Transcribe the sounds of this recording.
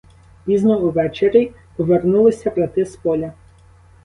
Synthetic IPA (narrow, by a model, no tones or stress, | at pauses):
pʲiznɔuʋɛt͡ʃeɾʲi | pɔʋernulˠɪsʲɐpɾɐt̪ɪspɔlʲɐ